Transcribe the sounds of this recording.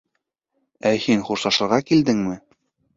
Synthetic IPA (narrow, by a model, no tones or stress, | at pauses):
æhinχuɾsɑʃɤ̆ɾʁɑkild̪ɘŋmɘ